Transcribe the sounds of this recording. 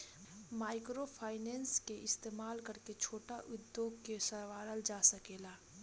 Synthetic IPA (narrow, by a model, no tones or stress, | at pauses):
maːɪkɾopʰaːɪnɛ̃ːnskeʔɪst̪eːmaːlkɐɾket͡ʃʰoːʈaʔʊd̪ːjoːɡkesəɾʋaːɾəld͡ʒaːsəkeːlaː